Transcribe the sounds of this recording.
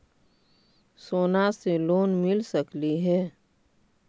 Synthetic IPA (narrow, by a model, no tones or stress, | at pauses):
soːnaseloːnmɪlsəkliɦɛː